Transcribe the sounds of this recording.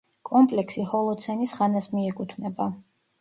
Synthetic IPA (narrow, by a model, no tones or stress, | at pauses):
kʼɔmpʼlɛksihɔlˠɔt̪sʰɛnisχanasmiɛkʼut̪ʰvnɛba